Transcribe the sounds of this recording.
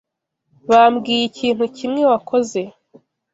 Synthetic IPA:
βamɡiːjicʰiːn̥hucʰimŋe̞wakʰo̞ze̞

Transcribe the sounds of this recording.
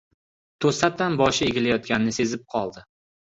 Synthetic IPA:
t̪ʰosat̚t̪ːanbɒʃɪeɡʲɪlajɒt̪̚kʲannɪse̞zɪp̚qʰɒlˠd̪ɪ

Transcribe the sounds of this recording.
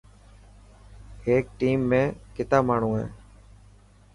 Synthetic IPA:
heːk̚ʈiːmːẽːkɪt̪aːmaːɳ̤ũːɦḛ̃ː

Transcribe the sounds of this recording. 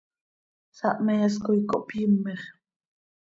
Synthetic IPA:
saʔmejas̬kojkoʔpjəmːeχ

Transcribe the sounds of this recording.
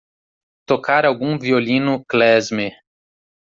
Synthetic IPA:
t̪okaɾawɡũviolĩnʊklɛzme

